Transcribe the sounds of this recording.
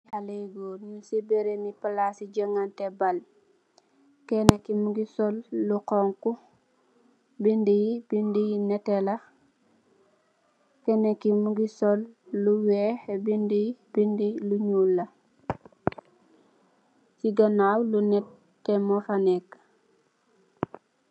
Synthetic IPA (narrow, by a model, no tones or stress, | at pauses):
haleɡoːɲusebeɾenipalasiɟaŋantɛbal | kenekimuɡisolːuqɔŋku | bindijib̥indijinɛtela | kɛnekimuɡisɔlːuwɛxebindijibindiluɲulːɐ | siɡanawlunɛt | tːɛmofanek